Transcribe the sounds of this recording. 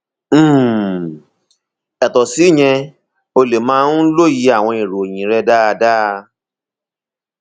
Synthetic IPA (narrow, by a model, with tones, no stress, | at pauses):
ɛ˨tɔ˨si˨˦˨j̃ɛ̃˧ | o˧le˨mãː˦n̩˦lo˦˨ji˨˧˦a˦˨w̃ɔ̃˧i˨ɾo˨j̃ĩ˨ɾɛ˧da˦a˧da˦˧